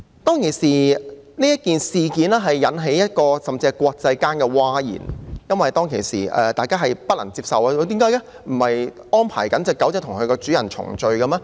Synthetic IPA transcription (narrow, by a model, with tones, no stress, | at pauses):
t̪ɔː˥ŋkʰe˨˩siː˨˩niː˥jɐ˥t̚kiː˨nsiː˨kiː˨˥nɛː˥ɦɐ˨jːɐ˨˧˥nɦe˨˥jɐ˥t̚kɔː˧sɐ˨mt͡si˧kʷɔː˧k̚t͡sɐ˧jkaː˥nkɛː˧waː˥jḭː˨˩njɐ˥nwɐ˨jt̪ɔː˥ŋkʰe˨˩jsḭː˨˩ɛ̰ː˨˧t̪aː˨jkaː˥ɦɐ˨jpɐ˥lɐ̰˨˩ŋt͡siː˧p̚sɐ˨waː˧jo˧t̪iː˨˥mkaː˨˥jka˥ | m̩˨˩hɐ˨j | ʔɔː˥npʰa̰ː˨˩jkɐ˨˥nt͡sɐ˨˧wkɐ˨˥wt͡sɛ˨˧t̪ʰʊ˨˩ŋkʰɵ˨˧kɔː˧t͡syː˨˥ɐ˨˩nt͡sʰʊ̰˨˩ŋt͡ʃɵ˨˧ɥkɐ˧mɛː˧